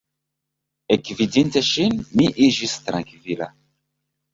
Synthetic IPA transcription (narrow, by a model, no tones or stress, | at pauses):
ekvidinteʃinmiʔid͡ʒist̪ɾãŋkvila̰